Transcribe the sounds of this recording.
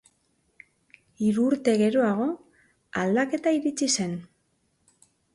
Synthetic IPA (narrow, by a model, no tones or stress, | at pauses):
iɾuːɾt̪e̞ɣe̞ɾo̞aɣ̞o̞ | ald̪ake̞t̪aiɾit͡sise̞n